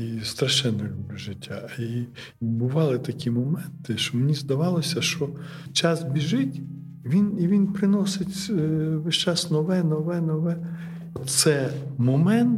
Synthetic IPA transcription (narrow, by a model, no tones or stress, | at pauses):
ist̪ɾɐʃɛnːɔlʲublʲuʒɪtʲːai | bʊʋɑlˠɪt̪ɐkʲimɔmɛnt̪ɪʃt͡ʃɔmenʲizd̪ɐʋɑlˠɔsʲɐʃt͡ʃɔt͡ʃɑsbʲiʒɪtʲ | ʋʲiniʋʲinpɾɪnɔsɪtʲʋɪʃt͡ʃɑsnɔʋɛnɔʋɛnɔʋɛ | ɔsɛmɔmɛnt̪